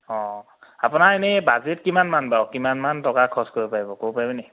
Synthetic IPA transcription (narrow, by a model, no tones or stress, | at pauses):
ɔ̃ | apʊnaenɛbazetkimanmanbawkimanmantɔkakʰɔskoɹipaɹibɔkowpaɹibenɛ